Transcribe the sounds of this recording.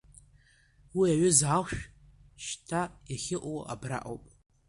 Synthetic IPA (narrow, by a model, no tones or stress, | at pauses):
wiaɥʏzalʃᶣʃtʰajaχʲɪʔʷʼowa̰bra̰ʔo̰wpʼ